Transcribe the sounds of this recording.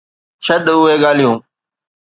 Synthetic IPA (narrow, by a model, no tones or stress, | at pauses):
t͡ʃʰəɗʊɦeːɠaːlijũː